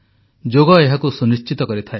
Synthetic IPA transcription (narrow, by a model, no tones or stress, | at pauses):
d͡ʒoɡɔeɦakusunist͡ʃit̪ɔkɔɾit̪ʰae